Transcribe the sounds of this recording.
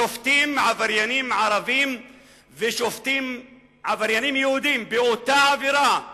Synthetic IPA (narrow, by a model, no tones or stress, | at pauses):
oft̪imʕavaɾjanimʕaɾˤavim | veʃoft̪im | ʕavaɾjanimjehud̪imbeʔot̪aʕaviɾa